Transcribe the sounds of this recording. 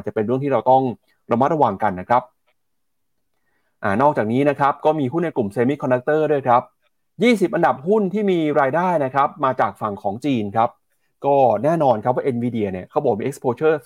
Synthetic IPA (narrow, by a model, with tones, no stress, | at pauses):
a˧˩t͡ɕa˨˩pe˧nɾɯ˥˩t̪ʰiː˥˩ɾa˧wt̪ɔ˥˩ŋ | ɾa˧ma˦˥ɾa˧waː˨˩ŋka˧nːa˦˥kʰɾa˦˥p̚ | ʔaː˨˩nɔː˥˩k̚t͡ɕaː˨˩k̚niː˦˥na˦˥kʰɾa˦˥p̚kɔː˥˩miː˧ɦu˥˩nːa˧jklu˨˩mseː˧mi˦˥kʰɔ˧nda˦˥k̚t̪ɤː˥˩du˥˩əjkʰa˦˥p̚ | jiː˥˩si˨˩p̚ʔa˧nda˨˩p̚hu˥˩nt̪ʰiː˥˩miː˧ɾaː˧jdaː˥˩jna˦˥kʰɾa˦˥p̚maː˧t͡ɕaː˨˩k̚fa˨˩ŋkʰɔː˩˦ŋt͡ɕiː˧nkʰɾa˦˥p̚ | kɔː˥˩nɛː˥˩nɔː˧nkʰa˦p̚waː˥˩ʔe˧nwiː˧di˧ɐni˥˩ɐkʰa˦˥wbɔː˨˩k̚miː˧ʔe˦˥kspʰoː˧t͡ɕʰɤː˥˩